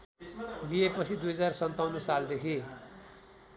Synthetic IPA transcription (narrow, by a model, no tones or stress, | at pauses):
liepʌt͡sʰid̪ujɦʌd͡zarsʌnt̪awnːʌsald̪ekʰi